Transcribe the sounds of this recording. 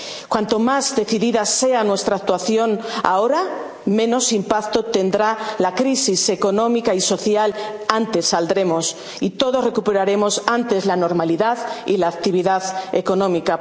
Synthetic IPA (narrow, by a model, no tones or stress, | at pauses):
kwant̪o̞mazðe̞θiðiðase̞anwe̞st̪ɾak̚t̪waθjo̞na̰o̞ɾa | mẽ̞no̞simpakt̪o̞t̪e̞nd̪ɾalakɾisise̞ko̞nõ̞mikaiso̞θjalant̪e̞sːald̪ɾe̞mo̞s | it̪o̞ðo̞sre̞kupe̞ɾaɾe̞mo̞sant̪e̞zlano̞ɾmaliðaðḭlaːk̚t̪iβ̞iðaðe̞ko̞nõ̞mika